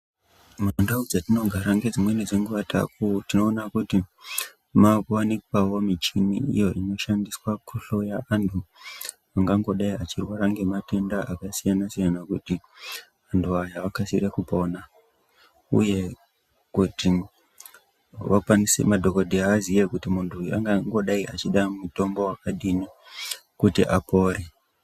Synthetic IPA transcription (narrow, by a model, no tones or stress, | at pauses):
mandaud͡zatino̞ɡʱaɾaŋɡe̞d͡zimwe̞nid͡zeŋɡuʋatʰa̰kutino̞ːnakuti | makwanikwawo̞mit͡ʃinḭḭjo̞ʔino̞ʃandiswakʰuɬo̞jaantʰu | aŋɡaŋɡo̞ɗaiat͡ʃirwaɾaŋɡe̞mate̞ndaʔakasijanasijanakuti | antʰuajaʋakasirekupo̞na | ṵje̞ | kuti | ʋakwanisḛmadʱo̞ko̞dʱeaːzijekutimuntʰua̰ŋɡaŋɡo̞ɗaiʔat͡ʃiɗamuto̞mbo̞wakaɗini | kutiʔapo̞ːre